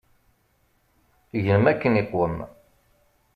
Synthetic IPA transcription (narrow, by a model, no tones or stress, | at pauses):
ʝələmækːəniqwəm